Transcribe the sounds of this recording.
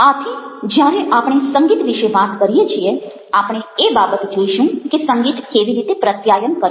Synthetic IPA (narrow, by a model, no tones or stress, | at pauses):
at̪ʰid͡ʒjaɾeʔapɳ̃esəŋɡiːt̪ʋiʃeʋat̪kəɾijet͡ʃʰie | apɳ̃eebabət̪d͡ʒoiʃũkesəŋɡiːt̪keʋiɾit̪epɾət̪jajənkəɾ